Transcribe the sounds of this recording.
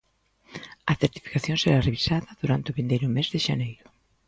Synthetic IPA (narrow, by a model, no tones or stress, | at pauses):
ɐθeɾt̪i̥fi̥kaθjõŋseɾareβisaðɐðuɾant̪ɪʊβind̪ejɾʊmezðeʃanejɾʊ